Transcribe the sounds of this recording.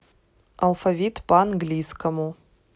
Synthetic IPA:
ɐlˠfavʲit̪pɐanɡlʲijskʰɐmu

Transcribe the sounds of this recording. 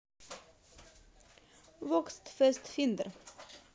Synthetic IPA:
ʋɔkst̪fœst̪fɪnd̪əɾ

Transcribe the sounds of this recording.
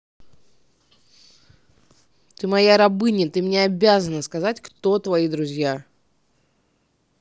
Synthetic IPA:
t̪ɨmɐjaɾɐbɨnʲɪt̪ɨmnʲeɐbʲazənəskɐzatʲkt̪o̞t̪vɐid̪ɾʊzʲja

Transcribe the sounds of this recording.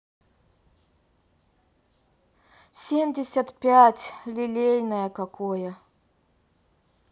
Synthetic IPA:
sʲemʲdʲɪsʲət̪pʲatʲlʲɪlʲejʲnəjəkɐkojə

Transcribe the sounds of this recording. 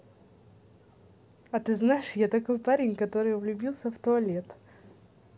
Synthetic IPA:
ɐt̪ɨznaɪʂjat̪ɐkojpaɾʲɪnʲkɐt̪o̞ɾɨjvlʲʊbʲilˠsʲəft̪ʊɐlʲet̪

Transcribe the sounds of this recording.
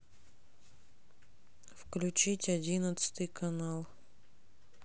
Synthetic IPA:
fklʲʉt͡ɕitʲɐdʲinət̪sɨ̥t̪ɨjkɐnalˠ

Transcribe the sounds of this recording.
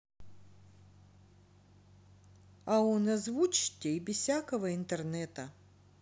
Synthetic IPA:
ɐɔnɐzvut͡ɕɪ̥t̪ʲːebʲɪsʲsʲakəvəɪnt̪ɛrnɛt̪ə

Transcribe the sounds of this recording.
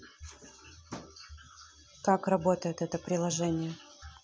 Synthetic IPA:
kakrɐbot̪əjɪt̪ɛt̪əpɾʲɪlˠɐʐɛnʲɪjə

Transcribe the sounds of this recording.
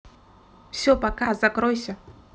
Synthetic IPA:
fsʲɔpakazɐkɾojsʲə

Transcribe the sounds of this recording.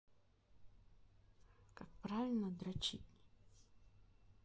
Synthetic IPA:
kak̚pɾavʲɪlʲnəd̪ɾat͡ʃit̪ʲnʲɪ

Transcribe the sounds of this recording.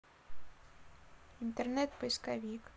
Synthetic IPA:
int̪ɛrnɛt̪pəjskavʲik

